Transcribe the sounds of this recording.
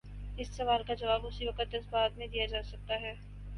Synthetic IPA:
ɪsːɐʋaːlkad͡ʒɐʋaːbʊsiʋɐqət̪ɪsbaːt̪mẽd̪ijad͡ʒaːsɐk̚t̪aɦɛː

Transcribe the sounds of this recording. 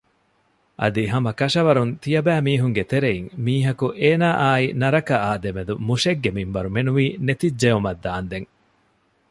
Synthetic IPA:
ʔɐ̰d̪iɦɐmɐkɐʃɐʋɐɾunt̪ijɐbæːmiːɦuŋɡet̪eɾeiŋmiːɦɐkuʔeːnaːʔaːinɐɾɐkɐʔaːd̪emed̪umuʂeɡːemimʋɐɾumenuʋiːnet̪id͡ʒd͡ʒeumɐd̪ːaːnd̪eŋ

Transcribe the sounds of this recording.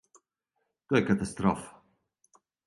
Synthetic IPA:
d̪̥uɛkat̪ast̪ɾɔ̰ːf

